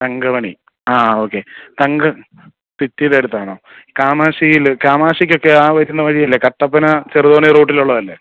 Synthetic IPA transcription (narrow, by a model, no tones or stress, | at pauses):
t̪ɐŋɡɐmɐɳḭ | aːo̞ːkːe̞t̪ɐŋɡɨ | titːiðeɽut̪ːaɐɳoːkaːmaːʂijilkaːmaːʂik̬ʲːo̞kːe̞aːʋɐɾunːɐʋɐɻijɐlːeːkɐʈːɐpːɐnɐt͡ɕeruðoːneroːʈ̬ːiluɭːɐðɐlːe